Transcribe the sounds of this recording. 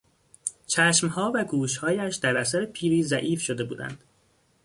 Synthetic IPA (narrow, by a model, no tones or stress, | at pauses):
t͡ʃʰæʃmhɒːvæɡuːʃhɒːjæʃd̪æɾæsæɾepʰiːɾiːzæʔiːfʃo̞d̪e̞bṵːd̪æ̰nd̪̥